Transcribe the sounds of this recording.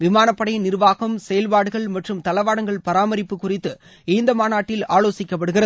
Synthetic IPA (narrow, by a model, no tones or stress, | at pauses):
ʋɪmaːnɐpːɐɽɐjnɪɾʋaːɣɐmsɛjɐlpaːɽɯɣɐɭmɐʈrɯmt̪ɐlɐʋaːɽɐŋɡɐɭpɐɾaːmɐɾɪpːɯkːʊrɪt̪ːɯ | iːnd̪ɐmaːnaːʈːɪlaːloːsɪkːɐpːɐɽɯɣɪrɐ